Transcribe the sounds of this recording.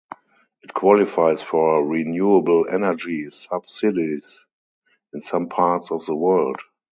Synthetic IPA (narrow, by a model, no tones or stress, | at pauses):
ʔɪtkʰwɔlɪfaɪsfɔɹinjuəblɛ̰nə˞d͡ʒisab̥sɪdis | ɪ̃nsãmpʰatsɔfðəwɜ˞ld